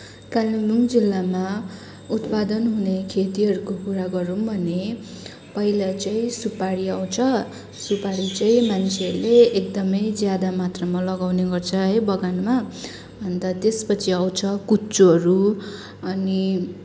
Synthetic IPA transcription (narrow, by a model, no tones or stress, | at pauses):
kalimuŋd͡zilːama | ut̪pad̪ʌnɦunekʰet̪iɦʌɾukokuɾaɡʌɾombʱʌne | pʌilat͡sʌĩsupaɽiaw̃t͡sʰʌ | supaɽit͡saĩmant͡sʰeʌrleekd̪ʌmʌjd͡zjad̪amat̪rʌmʌlʌɡawneɡʌrt͡sʰʌɦʌjbʌɡanma | bʱʌnt̪at̪espʌt͡sʰiaw̃t͡sʰʌkut͡soɦʌɾu | ʌni